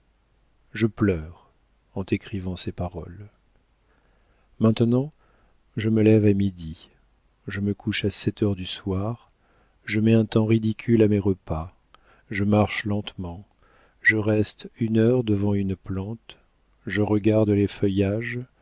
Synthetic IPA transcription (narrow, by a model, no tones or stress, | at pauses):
ʒəplœʁ | ɑ̃t̪ekχivɑ̃sepaʁɔl | mɛ̃t̪nɑ̃ | ʒəməlɛvamid̪i | ʒəməkʰuʃasɛt̪œʁd̪yswaʁ | ʒəmɛɛ̃t̪ɑ̃ʁid̪ikʲʰylamɛʁəpa | ʒəmaʁʃlɑ̃t̪mɑ̃ | ʒəʁɛst̪ynœʁd̪əvɑ̃ynplɑ̃t̪ | ʒəʁəɡaʁd̪lefœjaʒ